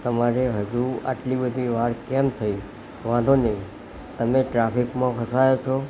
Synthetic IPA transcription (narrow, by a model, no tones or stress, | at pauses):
t̪əmaɾeɦəd͡ʒua̰ʈlibəd̪ʱiʋaɾkɛmt̪ʰəi | ʋãd̪ʱonəɦĩ | t̪əmeʈɾapikmãpʰəsajot͡ʃʰo